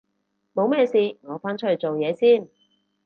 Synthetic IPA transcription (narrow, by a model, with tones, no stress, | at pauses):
mo˨˧wmɛː˥˧siː˨˧ŋɔː˨˧faː˥nt͡ʃʰɵ˥t͡so˨wjɛː˨˧siː˥˩n